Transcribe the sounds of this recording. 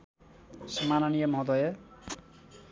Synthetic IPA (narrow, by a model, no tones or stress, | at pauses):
sʌmanʌnijʌmʌɦd̪ʌje